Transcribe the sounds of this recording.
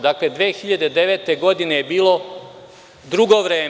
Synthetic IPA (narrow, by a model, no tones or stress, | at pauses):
d̪akle̞d̪ʋeːxiʎad̪e̞d̪eʋe̞t̪e̞ɡo̞d̪ine̞jebiːlˠo̞ | d̪ɾuɡo̞ʋɾe̞ː